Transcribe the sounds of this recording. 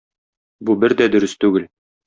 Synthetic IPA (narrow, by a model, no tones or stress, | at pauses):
bubɘɾd̪æd̪ɵ̆ɾɵst̪ʉɡɘl